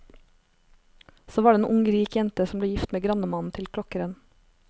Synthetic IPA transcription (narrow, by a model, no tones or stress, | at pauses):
soːʋɑːɖeːnʔʊŋɾiːkjɛnt̪əsɔmbleːjɪft̪meːɡɾɑnəmɑnn̩t̪ʰɪlkʰɽɔkəɾən